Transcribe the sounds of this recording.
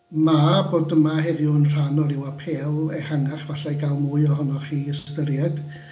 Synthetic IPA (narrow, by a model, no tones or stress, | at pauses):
maboːdəmahɛvjʊənr̥anɔlˠɪwapʰeːlˠɛhaŋaχvaɬajɡalˠmʊɨɔɦɔnɔχiːəstəɾjɛd̥